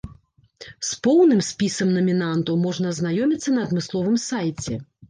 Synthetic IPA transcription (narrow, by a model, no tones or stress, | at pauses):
spɔwnɨmsʲpʲisɐmnɐmʲinant̪ɐwmɔʐnɐznajɔmʲit̪sːɐnɐːd̪mɨslˠɔvɨmsajt͡sʲɛ